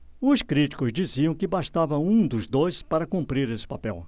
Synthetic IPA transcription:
ʊskɾit͡ʃi̥kʊzd͡ʒiziɐ̃w̃kɪbaʃt̪avɐũd̪ʊzd̪ojspaɾɐkũmpɾiɾesɪ̥papɛw

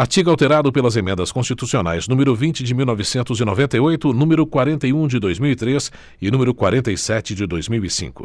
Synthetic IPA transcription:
aɾt͡ʃiɡawt̪eɾad̪ʊpelɐzemẽnd̪ɐskõst͡ʃit̪usiona̰jznũmeɾʊvĩnt͡ʃɪd͡ʒɪmiwnɔvɪsẽnt̪ʊzɪnovẽnt̪ɐjojt̪ʊnũmeɾʊkwaɾẽnt̪ɐjũd͡ʒɪd̪ojzmiwit̪ɾes | ɪnũmeɾʊkwaɾẽnt̪ɐisɛt͡ʃɪd͡ʒɪd̪ojzmiwisḭ̃kʊ̰

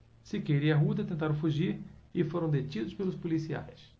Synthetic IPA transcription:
sɪkeɾiɐɦud̪ɐt̪ẽnt̪aɾɐ̃w̃fuʒiɾɪfoɾɐ̃w̃d̪et͡ʃid̪ʊspelʊspolisia̰js

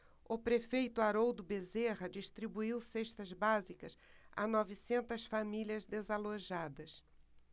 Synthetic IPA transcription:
ʊpɾefejt̪ʊaɾowd̪ʊbezeʁɐd͡ʒiʃt̪ɾibuiwseʃt̪ɐzbazikɐsa̰nɔvisẽnt̪ɐsfamiliɐzd̪ezaloʒad̪ɐs

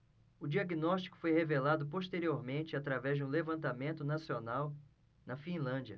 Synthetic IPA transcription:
ʊd͡ʒiaɡinɔʃt͡ʃi̥kʊ̥fojhevelad̪ʊpoʃt̪eɾioɾmẽnt͡ʃɪat̪ɾavɛzd͡ʒɪũlevɐ̃nt̪amẽnt̪ʊnasionaw | nɐfĩlɐ̃d͡ʒiɐ

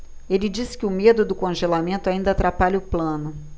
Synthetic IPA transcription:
elɪd͡ʒisɪ̥kɪʊmed̪ʊd̪ʊkõʒelamẽnt̪ʊaĩnd̪ɐaːt̪ɾapaʎɐʊplɐ̃nʊ

